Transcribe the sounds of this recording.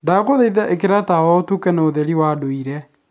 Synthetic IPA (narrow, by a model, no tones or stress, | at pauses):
daɣoðɛiðaʔekeɾatawaotukɛnɛoðɛɾiwaːdoiɾɛ